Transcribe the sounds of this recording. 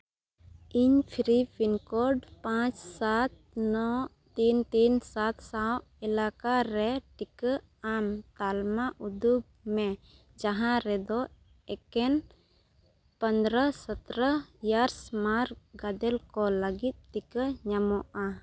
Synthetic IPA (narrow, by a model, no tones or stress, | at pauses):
iɲpʰiɾibinkɔɖpãt͡ʃsat̪̚ | nɔ | t̪int̪insat̪sawʔ | ɛlakaɾɛʈikə | amt̪almaʔud̪ub̚ | mɛ | d͡ʒaɦãɾɛd̪ɔ | ɛkɛn | pə̃nd̪ɾəsət̪ɾəjaɾsmaɾɡad̪ɛlkɔləɡit̪̚ʈikəɲamɔʔa